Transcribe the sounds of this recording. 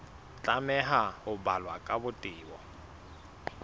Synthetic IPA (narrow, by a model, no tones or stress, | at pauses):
t͡ɬʼamɛɦahʊbalwakʼabʊtʼɪːbɔ